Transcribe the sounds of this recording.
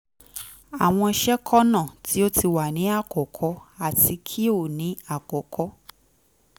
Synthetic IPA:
a˨w̃ɔ̃˧ʃɛ˦kʰɔ˦nã˦˨tʰi˨˦o˦ti˧˨wa˨nĩ˨˦a˦˨kɔ˨kʰɔ˨˧˦a˨ti˧kʰi˦o˦˨nĩ˨˦a˦˨kɔ˨kʰɔ˦

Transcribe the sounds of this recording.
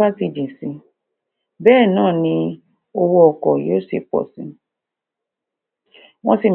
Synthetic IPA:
ba˦ti˧d͡ʒĩ˨sĩ˨˧˦ | bɛː˦˨nãː˦˨nĩ˧ | o˧wo˧ɔ˨kɔ˨jo˨˦se˨pɔ̰˨sĩ˨˧˦ | w̃ɔ̃˧˦si˨m

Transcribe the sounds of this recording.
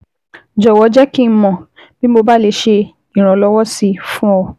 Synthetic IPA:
d͡ʒɔ˨wɔ˨˧d͡ʒɛ˦kĩ˦˧˦mɔ̃˨ | b̥i˦mo˧ba˦le˧ʃe˧ | i˨ɾ̃ã˨˧lɔ˧wɔ˦si˧˦fũ˦ɔ˧

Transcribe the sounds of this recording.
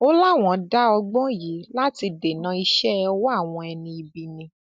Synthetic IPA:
o˦la˦˨w̃ɔ̃˨˦da˦ɔ˧ɡ͡bɔ̃˦ji˨˦la˦ti˧de˨nã˨˦i˧ʃɛ˦˧wɔ˦a˦˨w̃ɔ̃˧ɛ˧nĩ˧i˧bi˧nĩ˧

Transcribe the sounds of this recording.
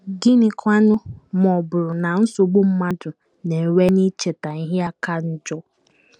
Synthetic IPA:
ɡi˦ni˨kʰʷa˦nʊ˦m˨ɔ˨bʊ˨ɾʊ˨na˨n̩˦sʊ˨ɡ͡bo˦m̩˦ma˦dʊ˨ | ne˨we˦ni˦t͡ʃe˨ta˨n̩˦ɦja˦ka˦n̩˦d͡ʒɔ˦

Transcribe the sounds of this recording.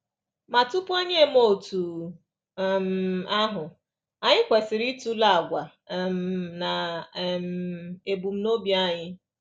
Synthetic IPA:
ma˨tu˦pu˦e˦ɲe˦m̩˦o˦˨tu˨ | m̩˨a˦ɦʊ˨ | a˨ɲɪ˦kʷe˨sɪ˨ɾi˦tu˦la˦˨a˨ɡʷa˨ | m̩˨na˨m̩e˨bu˨m̩˦no˦bja˦˨ɲɪ˦

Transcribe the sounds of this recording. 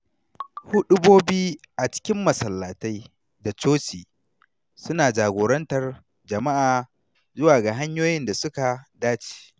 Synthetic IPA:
hʊ˦ɗʊ˦boː˦biː˦ | ʔa˨t͡ʃɪ̥˦kʲɪ˦mːɐ˨sɐ˨lːaː˨ta˦j | da˨t͡ʃoː˦t͡ʃiː˨ | sʊ˦naː˨d͡ʒaː˨ɡʷoː˨ɾɐ˦ntɐ˨r | d͡ʒɐ˨ma˦ʔaː˨ | zʊ˦waː˨ɡa˨ɦa˦ɲjoː˦jɪ˦nda˨sʊ˦ka˨daː˦t͡ʃi̥ː˨

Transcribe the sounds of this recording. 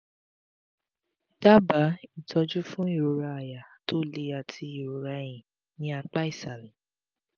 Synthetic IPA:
da˦ba˨˦i˦˨tʰɔ˧d͡ʒu˦fũ˦i˦˨ɾo˨˧ɾa˧a˨ja˨to˦le˧a˨tʰi˧i˨ɾo˨ɾa˧j̃ĩ˨ | nĩ˧˦a˧k͡pa˦i˦˨sa˨lĩ˨˦

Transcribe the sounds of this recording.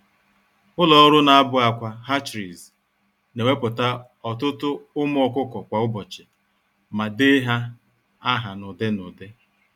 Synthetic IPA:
ʊ˦lɔ˦ɾʊ˦na˨a˦bʊ˦a˨kʷa˨ɦa˦t͡ʃɾi˨z | ne˨we˦pʊ˨ta˦ | ɔ˨tʊ˦tʊ˦ʊ˦m˦ɔ˨kʊ˦kɔ˨kʷa˨ʊ˦bɔ˨t͡ʃɪ˨ | ma˨dɪ˦ɦa˦ | a˦ɦa˨nʊ˨de˦nʊ˨de˦

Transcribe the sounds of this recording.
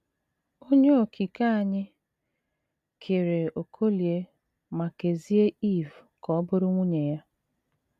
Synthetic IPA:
o˦ɲe˦o˨kʰi˨ka˦a˨ɲɪ˦ | kʰe˨ɾe˨o˨kʰo˦li˨e˦ | ma˨ke˨zi˦e˦i˦˨vkɔ˨˦bʊ˦ɾʊ˦ŋʷu˦ɲe˨ja˦

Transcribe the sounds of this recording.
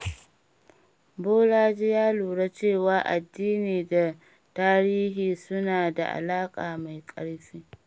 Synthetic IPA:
boː˦laː˦d͡ʒi˦jaː˦luː˨ɽa˦t͡ʃeː˦˨waː˦ʔa˨dːiː˦niː˨da˨ | taː˦ɾiː˦ɦiː˨sʊ˦naː˨da̰˨ʔa̰˨laː˦kʼaː˨ma˨jkʼɐ̰˦ɽɸiː˦

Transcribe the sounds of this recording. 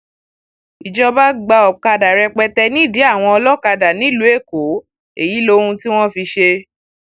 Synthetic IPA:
i˨d͡ʒɔ˧ba˦ɡ͡ba˧ɔ˨ka˧da˨ɾɛ˧k͡pɛ˧tɛ˧nĩ˦˨di˨˦a˦˨w̃ɔ̃˧ɔ˧lɔ˦ka˧da˨nĩ˨˦lu˨˦e˦˨ko˨˦ | e˨ji˨˦lo˧hũ˧ti˦w̃ɔ̃˦fi˧ʃe˧

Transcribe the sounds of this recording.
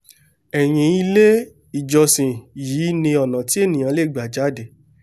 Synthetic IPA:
ɛ˨j̃ĩ˨˦i˧le˦ | i˨d͡ʒɔ˨sĩ˨jiː˨˦nĩ˧ɔ˨nã˨ti˨˦e˦˨nĩ˨ã˨˧˦le˦˨ɡ͡ba˨d͡ʒa˨˦de˨

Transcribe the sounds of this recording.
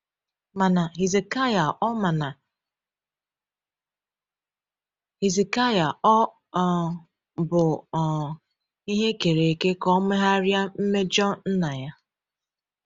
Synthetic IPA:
ma˨na˨ɦi˨ze˨ka˦ja˨ʔɔ˦ma˨na˨ | hi˨zi˨ka˦ja˨ɔ˦˨ | bʊ˨ | i˦ɦe˦ke˨ɾe˨ke˦kɔ˦me˦ɦa˦ɾja˦m̩˦me˦d͡ʒɔ˦n̩˦na˨ja˦

